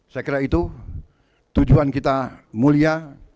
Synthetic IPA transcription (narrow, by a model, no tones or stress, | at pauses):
sakiɾait̪u | t̪ud͡ʒuankit̪amulia